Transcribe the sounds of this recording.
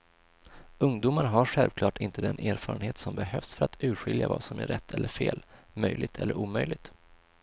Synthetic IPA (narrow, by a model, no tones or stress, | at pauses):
ɵŋd̪uːmaɾɦaɾɧɛlvkʰlɑːʈʰɪnt̪ʰəd̪ɛnʔeːɾfɑːɾənheːt̪sɔmbɛɦœfsfœɾat̪ʰʉ̟ːɾɧɪljava̰ːsɔmæɾɛt̪ʰːɛlːəɾfeːlmœjlʔɪɡ̚t̪ʰɛlːəɾʔuːmœjlɪɡ̚t̪